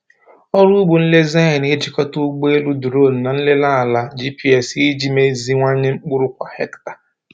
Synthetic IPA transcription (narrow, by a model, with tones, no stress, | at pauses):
ɔ˦ɾu˦ɡ͡bʊ˨n̩˦le˦za˦ɪ˨n˨ɪ˦d͡ʒɪ˨kɔ˦tu˦ɡ͡be˦lu˦du˨ɾo˦˨n̩˨na˨n̩˦lɪ˦la˦a˨la˦d͡ʒi˦pi˦ɛ˨si˦d͡ʒi˦me˦zi˦ŋʷa˦ɲɪ˦ŋ͡m̩˦k͡pʊ˦ɾʊ˦kʷa˨he˦ktḁ˨